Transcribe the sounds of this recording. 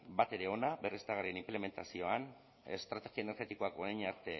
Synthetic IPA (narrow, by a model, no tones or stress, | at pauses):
bat̪e̞ɾe̞o̞nabe̞rest̪aɣaɾrienimple̞me̞nt̪asio̞an | e̞̰st̪ɾat̪e̞xioeneɾɣe̞t̪iko̞akoɾajɲaɾt̪e̞